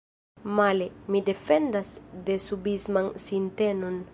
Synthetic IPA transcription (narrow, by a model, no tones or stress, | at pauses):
malemid̪efend̪asd̪esubizmansint̪enon